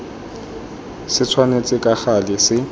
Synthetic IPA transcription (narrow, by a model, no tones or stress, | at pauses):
sɪt͡sʰwanet͡sʼɪkʼaχalɪsɪ